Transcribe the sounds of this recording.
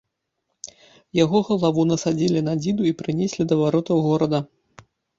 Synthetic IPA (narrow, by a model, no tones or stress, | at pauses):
jaɣɔɣɐlˠavunɐsad͡zʲilʲinad͡zʲid̪uipɾɨnʲesʲlʲid̪ɐvaɾɔt̪ɐwɣɔɾɐd̪ɐ